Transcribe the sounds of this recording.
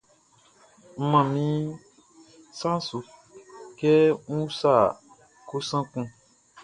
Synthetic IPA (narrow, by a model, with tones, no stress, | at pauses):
m̩˦mã˨mĩ˦ | sã˦su˨ | kɛ˦ŋ̩̃˦u˦sa˦˨ | ko˦sã˦kũ˦